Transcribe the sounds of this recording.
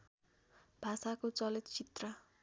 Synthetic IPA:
bʱasakot͡sʌlit̪t͡sit̪rʌ

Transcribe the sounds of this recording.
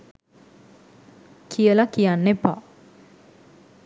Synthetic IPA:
kʰijəlakijanːepa̰

